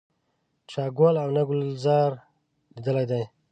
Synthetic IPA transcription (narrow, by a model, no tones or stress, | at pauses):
t͡ʃaːɡolawnaɡʊlzɑɾ | d̪id̪əlajd̪aj